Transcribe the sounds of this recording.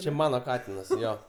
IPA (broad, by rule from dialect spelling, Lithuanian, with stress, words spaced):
t͡ʃʲɛ ˈmɑːnoː ˈkɑːtʲɪnɐs ˈjoː